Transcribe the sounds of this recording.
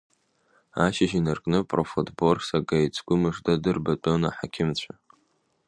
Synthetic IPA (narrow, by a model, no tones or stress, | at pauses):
aʃaʒinarkʼnɨpʼrofutʰʼborsaɡajt͡sʰʼɡʷʊmɨʐdadɨrbat͡pʼonaħakʲʰɪmt͡ɕʷʰa